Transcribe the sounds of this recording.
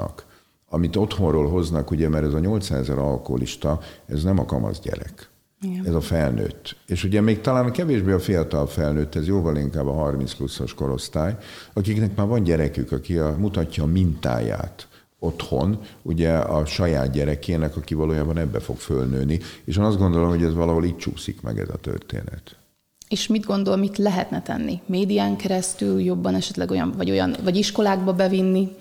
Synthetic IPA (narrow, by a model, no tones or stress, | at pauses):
ɒ̰k | ɒmit̪o̞t̪ho̞nroːlɦo̞znɒkuɟɛmɛɾɛzɒɲo̞lt̪saːɛzɛɾɒlkoɦolḭʃt̪ɒɛznɛmɒkɒ̰mɒ̰zɟɛ̰ɾɛ̰k | ɛzɒfɛlnø̰ːt̪ːeːʃuɟɛmeːk̚t̪ɒlaːnkɛveːʒbeːɒfijɒt̪ɒlfɛlnøːt̪ːɛzjoːvɒliŋkaːbɒɦɒrminsplusːoʃko̞ɾo̞st̪aːjɒkiknɛkmaːrvɒnɟɛɾɛkykɒkimut̪ɒcːɒːmint̪a̰ːja̰ːt̪ | o̞t̪ho̞nuɟɛɒʃɒja̰ːd̪ɟɛɾɛkeːnɛkɒkivɒloːjaːbɒnɛbːɛfo̞kfølnøːnieːʃeːnɒzd̪ɡo̞nd̪o̞lo̞mhoɟɛzʋɒlɒɦo̞liːct͡ʃuːsḭkmɛ̰ɡɛ̰zɒ̰t̪ø̰rt̪ḛːnɛ̰t̪ | eːʃmid̪ɡo̞nd̪olmit̪lɛɦɛt̪nɛt̪ɛ̰nːimeːd̪ijaːŋkɛɾɛst̪yljo̞bːɒnɛʃɛt̪lɛɡo̞jɒ̰nvɒɟo̞jɒ̰nvɒɟiʃko̞laːɡ̚bɒbɛvinːi